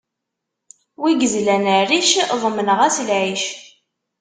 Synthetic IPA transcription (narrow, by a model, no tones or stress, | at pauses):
wiɡəzlænəriʃðˤmənəʁæslʕiʃ